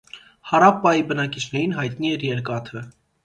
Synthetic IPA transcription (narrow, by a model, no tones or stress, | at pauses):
hɑɾɑpːɑjibənɑkit͡ʃʰnɛɾinɦɑjt̪niɛɾjɛɾkɑt̪ʰə